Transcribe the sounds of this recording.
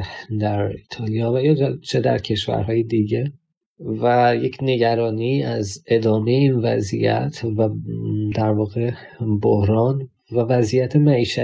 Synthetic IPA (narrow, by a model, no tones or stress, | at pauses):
d̪æɾit̪ʰɒːlijɒːvæjɒːt͡ʃʰe̞d̪æ̰ɾcʰe̞ʃvæ̰ɾhɒːjed̪iɟe̞ | væjecʰne̞ɟæɾɒːniːæze̞d̪ɒːme̞jeiːnvæ̰zḭjæ̰t̪ʰvæd̪æɾvɒːɣe̞ | bohɾɒːn | vævæzijæt̪ʰemæiːʃæ